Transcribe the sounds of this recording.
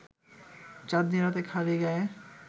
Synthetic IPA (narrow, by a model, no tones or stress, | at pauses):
t͡ɕad̪niɾat̪ekʰalieɡɛe